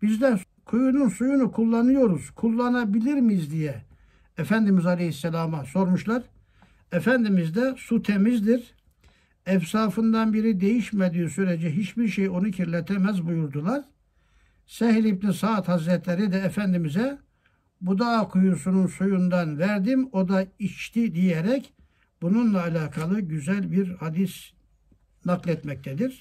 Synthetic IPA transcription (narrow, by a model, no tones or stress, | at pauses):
b̥izd̪ɛ | kʰujununsujunukʰulˠːanɯjo̞ɾuz̥kʰulˠːanabilʲiɾmizd̪ijɛː | fænd̪imizɑlʲehisːɛlʲaːmaso̞ɾmuʃlˠaɾ | ɛfænd̪imizd̪ɛsut̪ʰemizd̪iɾ | ɛfsaːfɯnd̪anbiɾid̪e̞jiʃmæd̪iːsyɾed͡ʒɛɦit͡ʃbiɾʃejo̞nucʰiɾlʲɛt̪ʰɛmæzbujuɾd̪ulˠaɾ | sɛɦlʲip̪̚insaːt̪hazɾɛt̪ʰlʲeɾid̪ɛːfænd̪imizɛ | bud̪akʰujusununsujund̪anvæɾd̪imo̞d̪ait͡ʃt̪ʰid̪ijeɾɛc | bununlˠaːlʲaːkʰalˠɯɟyzælʲbiɾhad̪is | naklˠɛt̪mɛc̚t̪ʰɛd̪iɾ̥